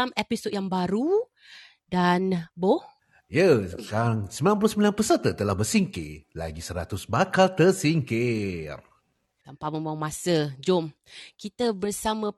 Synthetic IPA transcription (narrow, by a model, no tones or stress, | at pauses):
amepisod̚jaŋbaɾu | danboh | jəkaaŋsəmbilanp̬uluhsəmilanpəsərt̪ət̪əlahbərsiŋkɪ̰la̰ɡisəɾat̪ʊsbakalt̪ərsiŋkɪr | d̪ampaʔmə̃mbawamãsəd͡ʒom | kit̪əbərsamə̃